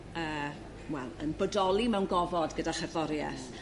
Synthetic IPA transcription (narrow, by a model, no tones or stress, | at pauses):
əː | wɛlˠənbədɔlˠimɛwnɡɔvɔdɡədaχɛðɔɾjɛ̰θ